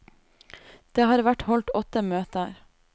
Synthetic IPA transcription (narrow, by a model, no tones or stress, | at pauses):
d̪̥eːhɑːɾʋæʈhɔlt̪ɔt̪ːəmøːt̪əɾ